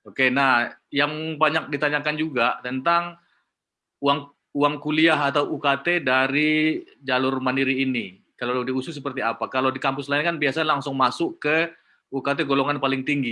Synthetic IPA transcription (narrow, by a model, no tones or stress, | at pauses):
okenahjaŋbaɲak̚dit̪aɲakand͡ʒuɡaʔt̪ənt̪aŋ | uaŋ | uaŋkuliaɦat̪awʔukat̪edaɾi | d͡ʒalʊrmandiɾiːni | kaladiusʊs̬əpərt̪iapakaladikampʊslaɪnkanbiasalaŋsʊŋmasʊkə | ukat̪̬eɡoloŋanpalɪŋt̪iŋɡi